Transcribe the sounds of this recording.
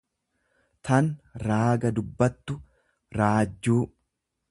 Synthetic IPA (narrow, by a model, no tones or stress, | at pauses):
t̪ɐnɾaːɡɐd̪ʊbːɐt̪ːʊ | ɾaːd͡ʒːuː